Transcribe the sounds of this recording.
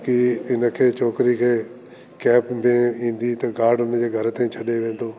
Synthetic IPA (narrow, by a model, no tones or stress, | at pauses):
kiɪnə̆kʰeːt͡ɕoːkɾikʰeː | kɛːpmẽĩːn̆d̪it̪ɐɡaːɾɖʊnd͡ʑeːɡʱɐɾt̪ẽĩt͡ɕʰɐɗeʋẽːn̆d̪oː